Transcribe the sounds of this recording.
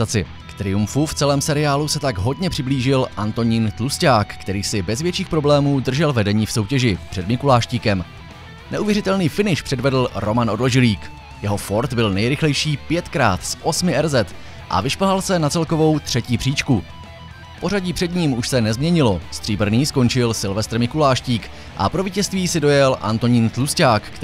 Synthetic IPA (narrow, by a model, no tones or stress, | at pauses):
at͡sɪ̰ | kt̪ɾɪjumfuft͡sɛlɛːmsɛɾɪaːlusɛt̪aɡɦo̞dɲɛpr̝̥ɪbliːʒɪlʔant̪o̞ɲiːnt̪luscaːkːt̪ɛɾiːsɪbɛzvjɛt͡ʃiːxpɾo̞blɛːmuːdr̩ʒɛlvɛdɛɲiːfso̞wcɛʒɪpr̥ɛdmɪkulaːʃciːkɛm | nɛʔuvjɛɾɪt̪ɛlniːfɪnɪʃpr̥ɛdvɛdl̩ɾo̞manʔo̞dloʒɪliːk | jɛɦo̞fo̞ɾt̪bɪlnɛjɾɪxlɛjʃiːpjɛt̪kɾa̰ːt̪sʔo̞smɪʔɛɾzɛt̪ | ʔa̰vɪʃplɦalsɛnat͡sɛlko̞vo̞wt̪r̥ɛciːpr̥iːt͡ʃku | po̞ɾaɟiːpr̝̥ɛdɲiːmuʃsɛnɛzmɲɛɲɪlo̞st̪r̥iːbr̩niːsko̞nt͡ʃɪlsɪlvɛst̪r̩mɪkulaːʃciːk | ʔa̰pɾoviːcɛst̪viːsɪdo̞jɛlʔa̰nt̪o̞ɲint̪luscaːk